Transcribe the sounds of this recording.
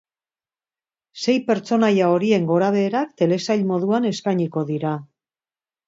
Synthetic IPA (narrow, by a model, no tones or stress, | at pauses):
se̞jpe̞ɾt͡so̞najao̞ɾie̞ŋɡo̞ɾaβ̞e̞ːɾakt̪e̞le̞sajʎmo̞ð̞uane̞skajɲiko̞ðiɾa